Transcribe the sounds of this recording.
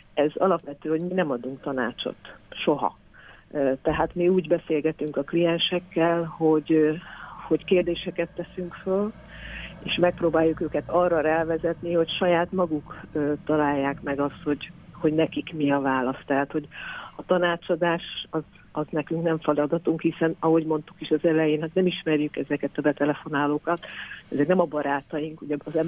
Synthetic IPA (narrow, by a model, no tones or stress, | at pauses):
ɛzɒ̰lɒpʋɛt̪øːoɟminɛmɒd̪uŋk̚t̪ɒna̰ːt͡ʃo̰t̪ʃo̞ɦɒ̰ | t̪ɛɦaːt̪miuːɟbɛseːlɡɛt̪yŋkɒklijɛnʃɛkːɛlho̞ɟ | ho̞ckeːrd̪eːʃɛkɛt̪ːɛsyŋkføl | eːʃmɛk̚proːbaːjːukøːkɛt̪ɒrɒɾɛlvɛzɛt̪niho̞cʃɒjaːt̪mɒɡukøːt̪ɒlaːjːaːkmɛɡɒst̪ho̞ɟho̞ɟnɛkikmiɒvaːlɒst̪ːɛɦaːt̪ho̞ɟɒt̪ɒnaːt͡ʃɒd̪aːʃɒz | ɒznɛkyŋknɛɱfɒlɒd̪ɒt̪uŋkhisɛnɒɦo̞ɟmo̞nt̪ukiʃɒzɛlɛjeːnɦat̪nɛmiʃmɛrjykɛzɛkɛt̪ɒbɛt̪ɛlɛfo̞naːloːkɒt̪ɛ̰zɛknɛmɒbɒɾaːt̪ɒjiŋkuɟɛːzɛm